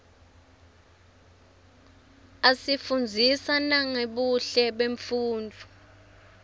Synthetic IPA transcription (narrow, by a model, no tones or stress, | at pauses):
asifund͡zʱisanaŋeɓuɬɛɓeɱfuːnd͡vʱu